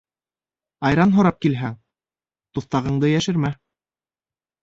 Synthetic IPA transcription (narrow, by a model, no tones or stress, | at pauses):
ɑjɾɑnɦŏɾɑp̚kilɦæŋ | t̪uθt̪ɑʁɤ̆ɴd̪ɤjæʃɘ̆ɾmæ